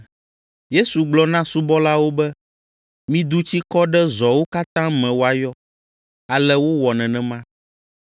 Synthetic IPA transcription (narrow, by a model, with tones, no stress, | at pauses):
je˦su˨ɡ͡blɔ˦nã˦su˦bɔ˦la˦wo˦bɛ˦ | mĩ˦d̪u˦t͡ɕi˦kɔ˦ɖɛ˦zɔ˨wo˦ka˦t̪ã˦mɛ̃˨wo˨˦a˨jɔ˦ | a˨lɛ˦wo˦wɔ˨nɛ̃˨nɛ̃˨mã˦